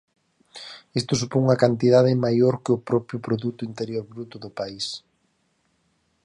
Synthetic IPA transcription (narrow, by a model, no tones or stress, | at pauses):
ist̪ʊsupoŋŋɐkant̪̬iðaðɪmajoɾkɪʊpɾɔpɾjʊpɾoðut̪ʊint̪eɾjoɾβɾut̪ʊðʊpais